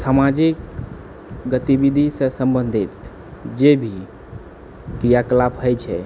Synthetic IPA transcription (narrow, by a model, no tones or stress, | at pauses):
samad͡ʒik | ɡət̪ibid̪ʱisə̃sə̃mbənd̪ʱit̪ | d͡ʒebʱi | kɾijakəlapʰɦəjt͡ʃʰɛ